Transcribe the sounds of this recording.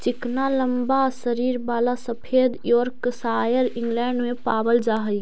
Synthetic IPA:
t͡ʃɪknaləmbasəɾiɾbaːlasəpʰed̪jɔɾksajəɾɪ̃ŋɡlɛːɳɖmẽpaːbəld͡ʒaːɦəi

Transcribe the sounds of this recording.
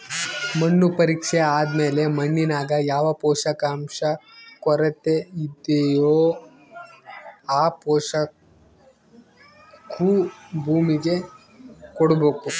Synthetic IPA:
mɐnːupɐɾiːkʂeaːd̪me̞ːle̞mɐɳːinaːɡɐjaːʋɐpɔːʃɐkaːmʂɐkɔɾɐt̪ːeid̪ːejoː | aːpɔːʂɐ | kʰubʱuːmiɡe̞ | kɔɽbeːku

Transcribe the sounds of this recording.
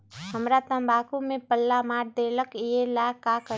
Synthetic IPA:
ɦəmɾat̪ə̃mbaːkumẽpəlːamaːɾd̪eːləkjelakakə

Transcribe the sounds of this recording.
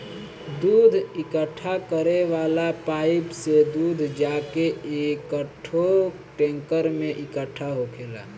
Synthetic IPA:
d̪ud̪ʱikəʈʰːakəɾeʋalapaɪpsed̪ud̪ʱd͡ʒakeekəʈʰo | ʈẽŋkəɾmẽʔɪkəʈʰːaɦokʰela̰

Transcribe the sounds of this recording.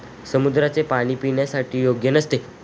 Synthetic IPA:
səmud̪ɾat͡sepaɽ̃iːpiɳjasaʈʰiːjoɡjənəst̪e

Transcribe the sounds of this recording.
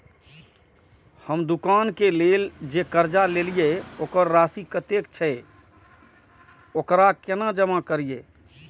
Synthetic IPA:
həmd̪ukankeleld͡ʒekəɾd͡ʒalelijeokəɾːasikət̪ekt͡ʃʰɛ | okɾakenad͡ʒəmakəɾije

